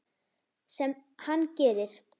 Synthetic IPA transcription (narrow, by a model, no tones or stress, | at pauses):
sɛmhanːcɛːðɪɾ̥